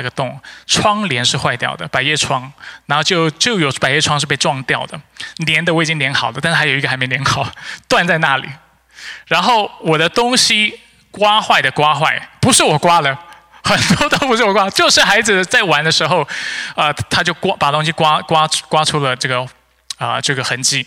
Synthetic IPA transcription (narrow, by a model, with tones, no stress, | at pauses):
ɡə˨˩t̪ʊ˥˩ŋʈ͡ʂʰwɑ˥ŋljɛ˧˥nʂɻ̩˥˧xwa˥˧ɪt̪jɑ̰˥˩ʊd̪ə̰˩pa˨˩ɪjɛ˥˩ʈ͡ʂʰwɑ˥ŋa˧˥n˥˧ʊt͡ɕjo˥˧ʊt͡ɕjo˥˩ʊjo˨˥ʊpa˨˩ɪjɛ˥˩ʈ͡ʂʰwɑ˥ŋʂ̬ɻ̩˥˧p̬e˥˧ɪʈ͡ʂwɑ˥˧ŋt̪jɑ˥˩ʊd̪ə̰˩njɛ˧˥nd̪ə˧wɪt͡ɕi˥ŋnjɛ˧˥nxɑ˨˩ʊd̪ə˧t̪a˥˧ʂ̩˥˧a˧˥jo˨˩i˧˥ɡə˧a˧˥ɪm˥˧˩njɛ˧nxɑ˨˩ʊt̪wa˥˧nt͡sa˥˧ɪna˥˩lḭ˨˩˦ | ɻa˧˥nxo˥˩ʊwɔ˨˩ɾə˦t̪ʊ˥ŋɕi˨ | kwa˥xwa˥˩ɪd̪ə˩kwa˥xwa˥˩ɪpu˧˥ʂɻ̩˥˩wɔ˨˩kwa˥d̪ə˨ | xə˨˩nt̪wɔ˥t̪o˥ʊpʂɻ̩˥˩wɔ˨˩kwa˥˧t͡ɕjo˥˧ʊʂɻ̩˥˩xa˧˥ɪd͡zɹ̩˧t͡sa˥˩ɪwa˧˥nd̪ə˧ʂɻ̩˧˥xo˥˧ʊə˧t̪ʰa˥t͡ɕjo˥˩ʊkwa˥pa˨˩t̪əʊ˥ŋɕ̬i˧kwa˥kwa˥kwa˥ʈ͡ʂʰu˥lə˨ʈ͡ʂɤ˥˩ɡə˩ | ə˧ʈ͡ʂɤ˥˩ɡə˩xə˧˥nt͡ɕi˥˩